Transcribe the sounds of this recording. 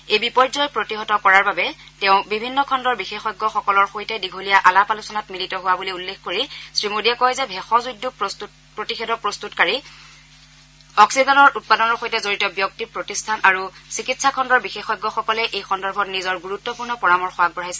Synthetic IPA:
ejbipɔɹzɔjpɹotiɦɔtɔkɔɹaɹbabɛ | tɛʊ̃bibʱinːɔkʰɔndɔɹbixexɔjɡːɔxɔkɔlɔɹxojtɛdiɡʱolijaʔalapalusɔnatmilitɔɦʊwabuliulːexkoɹisɹimodijakɔjzɛbʱɛxɔzudːu | pɹotixedɔpɹostutkaɹi | ɔksizɔnɔɹut̚padɔnɔɹxojtɛzoɹitɔbjɔk̚tipɹotistʰanaɹusikitsʰakʰɔndɔɹbixexɔjɡːɔxɔkɔlɛʔejxɔndɔɹbʱɔtnizɔɹɡuɹutːɔpuɹnɔpɔɹamɔɹxʊwak̚bɔɹajsɛ

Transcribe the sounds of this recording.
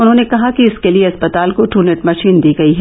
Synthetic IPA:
ʊnɦõːnekɐɦakiɪskelieɐspɐt̪aːlkoʈuːneʈmɐʃiːnd̪iːɡɐiɦɛː

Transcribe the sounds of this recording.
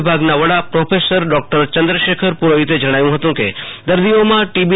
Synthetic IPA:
bʱaɡnaʋəɽapɾopʰesəɾɖɔk̚ʈəɾt͡ʃənd̪ɾəʃekʰəɾpuɾoɦit̪ed͡ʒəɽ̃ajũɦət̪ũkḛd̪əɾd̪iomãʈibi

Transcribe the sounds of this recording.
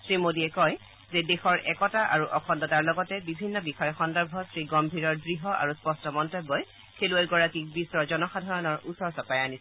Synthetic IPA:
sɹimodiɛkɔj | zɛdexɔɹʔɛkɔtaʔa̰ɹuʔɔkʰɔndɔtaɹlɔɡɔtɛbibʱinːɔbixɔjɔxɔndɔɹbʱɔsɹiɡɔmbʱiɹɔɹdɹiɦɔʔa̰ɹuspɔstɔmɔntebːɔj | kʰeluajɡɔɹakik̚bisɹɔzɔnɔxadʱaɹɔnɔɹusɔɹsɔpajanisɛ

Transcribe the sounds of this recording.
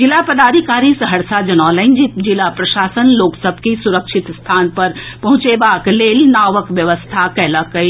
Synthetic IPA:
d͡ʒilapəd̪aːɾikaːɾisəɦɐɽsad͡ʒɐnɔːləɪnd͡ʒipd͡ʒilapɾɐʃaːsənloːksəbʱkisuɾəkʃɪt̪st̪ʰaːnpəɾpɐɦʊ̃t͡ʃebakleːlnaːʋəkʋjəʋəst̪ʰakɛɦləkəi

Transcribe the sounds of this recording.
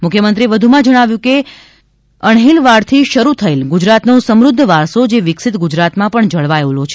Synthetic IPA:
mʊkʰjəmənt̪ɾieʋəd̪ʱumãd͡ʒəɽ̃aʋjũke | əɳɦelʋaɽt̪ʰiʃəɾut̪ʰəelɡud͡ʒɾat̪nõsəmɾʊd̪ʱːəʋaɾsod͡ʒeʋɪksɪt̪ɡud͡ʒɾat̪mãpəɳd͡ʒəɭʋajolot͡ʃʰe̥

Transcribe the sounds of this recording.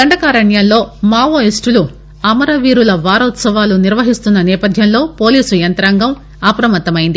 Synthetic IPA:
d̪ɐɳɖɐkaːɾɐɳjɐllo̞ːmaːʋoːisʈulu | ɐmɐɾɐʋiːɾulɐʋaːɾɔːt̪sɐʋaːluniɾʋɐɦist̪unːɐnɛːpɐd̪ʱjɐnlo̞ːpo̞ːliːsujɐnt̪ɾaːŋɡɐm | ɐpɾɐmɐt̪ːɐmɐjind̪i

